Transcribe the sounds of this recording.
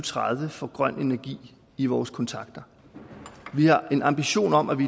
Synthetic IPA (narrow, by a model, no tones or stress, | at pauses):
t͡sʰʁaðˠʋəfɒ̽ɡ̥ʁɶn̰e̝næɐɡ̥ḭː | iʋɒːskʰɒ̽nt͡sʰɑ̈ɡ̥d̥ɐ | ʋihɑ̈ʔe̝nɑ̈mb̥iɕo̝̰ːnɒ̽mʔæʋi